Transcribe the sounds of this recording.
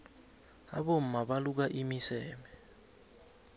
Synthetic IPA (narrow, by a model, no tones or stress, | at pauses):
a̰ɓom̩maɓaluk̬aʔimisɛːmɛ